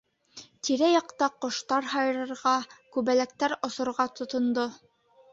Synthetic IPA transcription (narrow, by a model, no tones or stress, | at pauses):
t̪iɾæjɑqt̪ɑqŏʃt̪ɑɾɦɑjɤ̆ɾɤ̆ɾʁɑkʉβælæk̚t̪æɾŏsŏɾʁɑt̪ŏt̪ŏnd̪o